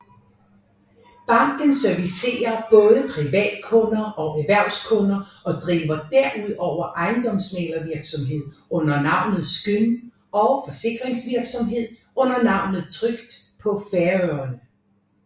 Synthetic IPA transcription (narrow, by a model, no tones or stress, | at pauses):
b̥ɑ̈ŋ̰ɡ̥ən̩sœɐʋise̝̰ːɐb̥ɔ̽ːðˠəpʰʁiʋɛ̰ːd̥kʰɔ̽nɐʔɒ̽ʔæʋæɐ̰ʊskʰɔ̽nɐɒ̽d̥ʁiːʋɐd̥æɐ̰ʔuð̞̰ˠɒʊ̰ɐʔɑ̈ɪnd̥ɒ̽m̰smḛlɐʋiɐɡ̥sɒ̽mɦe̝ð̞̰ˠɔ̽n̰ɐnɑ̈ʊ̰nð̩ˠsɡ̥øn | ɒ̽fɒ̽se̝ɡ̥ʁeŋsʋiɐɡ̥sɒ̽mɦe̝ð̞̰ˠ | ɔ̽n̰ɐnɑ̈ʊ̰nð̞̩ˠt͡sʰʁœɡ̥d̥pʰɒ̽fæɐøɐnə